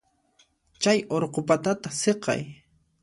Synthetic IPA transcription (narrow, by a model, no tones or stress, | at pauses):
t͡ʃajoɾqopat̪at̪aseqɑ̰j